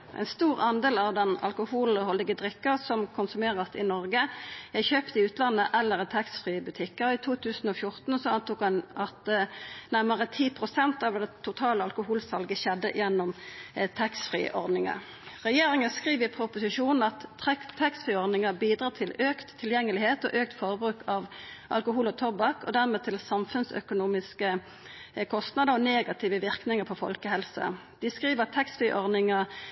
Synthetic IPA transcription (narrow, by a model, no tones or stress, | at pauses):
ʔɛ̰nst̪uːʁɑnd̪eːlɑʋd̪ɛnɑ̰lkʊhuːlhɔlːɪɡəd̪ʁɪkːəʁsɔmkʰʊnsʉmeːʁəsɪ̰nɔʁɡəjæɪçøːpt̪əɪʉːt̪lɑnːəʔɛlːəʁt̪ʰɑkst̪fʁiːəbʉt̪ʰɪkːəiːt̪ʰuːt̪ʰʉːsn̩ɔfjʊʁt̪n̩sɔɑnt̪ʊːkɑnɑt̪næʁməʁət̪ʰiːpʰʁʊsɛnt̪ɑʋd̪ɛt̪ʰʊt̪ʰɑːləɑlkʊhuːlsɑlɡəɕɛd̪ːə̰ʔjɛnːʊmt̪ʰɑksfʁḭːʔɔ̰ʁd̪nɪŋə̰ʁ | ʁɛjeːɾɪŋəskʁiːʋəɪpʰɾʊpʊsɪʂuːnn̩ɑt̪ɛt̪ʰːɛkst̪fʁiːɔʁd̪nɪŋəbiːd̪ɾɑːt̪ʰɪløːkt̪ʰːɪljɛŋːəlɪheːt̪ɔʔøːk̚t̪fɔʁəbʁʉːkʰɑʋʔɑ̰lkʊhuːlɔt̪ʰɔbɑkɔd̪æʁmeːt̪ʰɪlsɑmfʉnsœ̰kʊnuːmɪskə | kʰɔst̪nɑd̪əʁɔneːɡɑt̪ʰɪʋəʋɪʁknɪŋəpʰɔfɔ̰lkəhɛlsə̰d̪ɪskʁiːʋət̪ʰːɛkst̪fʁiːʔɔʁd̪nɪŋə